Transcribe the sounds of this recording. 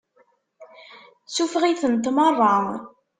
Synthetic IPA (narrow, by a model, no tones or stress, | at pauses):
sufʁiθənt̪mərˤːɑ